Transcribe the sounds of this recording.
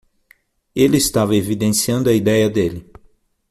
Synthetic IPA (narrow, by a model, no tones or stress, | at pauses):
elɪːst̪avɐevid̪ẽsiɐ̃nd̪ʊɐid̪ɛjɐd̪elɪ